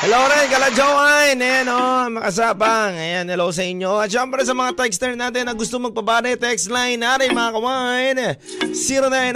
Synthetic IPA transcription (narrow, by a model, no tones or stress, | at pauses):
hɛlowɾɛnkɐlad͡ʒowajnɛnomɐkɐs̬aːbɐŋɐjanhɛloos̬ɐʔɪɲjo̞ɐt̪ʃɛmpɾɛsɐmɐŋat̪ɛkst̪ɛɹnaːt̪̬ɪnɐɡʊst̪omɐɡ̚pɐbaːɾɐjt̪ɛkst̪lajnaɾɐjmɐŋakɐwaajn | siːɾonajn